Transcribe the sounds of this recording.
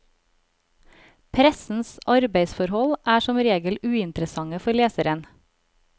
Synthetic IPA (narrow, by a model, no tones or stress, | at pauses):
pʰɾɛsn̩sʔɑɾbeɪsfɔɾhɔlʔæːʃɔmɾeːɡəlʉːɪnt̪ɾəsɑŋəfɔleːsəɾən